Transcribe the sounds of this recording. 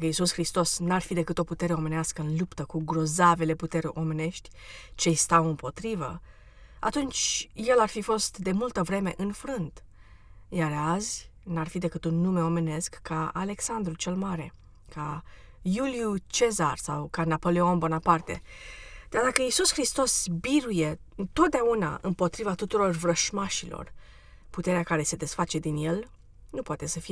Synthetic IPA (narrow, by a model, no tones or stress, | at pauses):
kəisusxɾist̪o̞snarfid̪e̞kɨt̪o̞put̪e̞ɾe̞o̞me̞neaskəɨnlupt̪əkuɡɾo̞zave̞le̞put̪e̞ɾeʔo̞me̞ne̞ʃt̪ʲt͡ʃe̞jst̪awɨmpo̞t̪ɾivə̰ | a̰t̪unt͡ʃje̞larfifo̞st̪d̪e̞mult̪əvɾe̞me̞̰ʔɨnfɾɨnd̪ | jaɾazʲnarfid̪e̞kɨt̪unːume̞o̞me̞ne̞skːaale̞ksand̪ɾut͡ʃe̞lmaɾe̞ | kʰajuljut͡ʃe̞zarsawkanapo̞leonbonapart̪e̞̰d̪̥ard̪akəisusxɾist̪o̞sbiɾuje̞ | ɨnt̪o̞t̪̚d̪eauna̰ʔɨmpo̞t̪ɾivat̪ut̪uɾo̞rvɾəʃmaʃilo̞̰r | put̪e̞ɾeakaɾe̞se̞d̪e̞sfat͡ʃe̞d̪inje̞l | nupwat̪e̞səfije